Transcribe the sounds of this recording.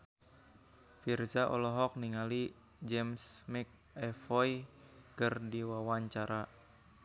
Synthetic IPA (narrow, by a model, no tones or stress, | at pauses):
firsaʔɔlɔɦɔk̚niŋali | d͡ʒɛmsmik̚ | ɛfɔjkərdiwawaɲt͡ʃaɾa